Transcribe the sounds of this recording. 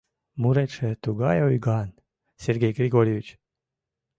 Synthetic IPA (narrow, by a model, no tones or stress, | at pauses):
muɾeʃet̪uɡɑjojɡɑn | sʲerɡʲejɡɾʲiɡoɾʲjeʋʲit͡ɕ